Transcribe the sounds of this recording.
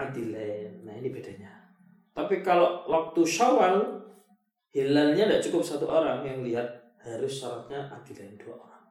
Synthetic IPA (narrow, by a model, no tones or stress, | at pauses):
ad̪ilaɪnːainiba̤d̥a̤ɲa | t̪apikaloʔwak̚t̪uʃawan | hilalɲandaʔt͡ʃukʊp̚sat̪uʔoɾaŋjaŋliɦat̪̚ | haɾʊsːaɾat̪̚ɲaʔad̪̥ilaɪnd̥uaʔoɾaŋ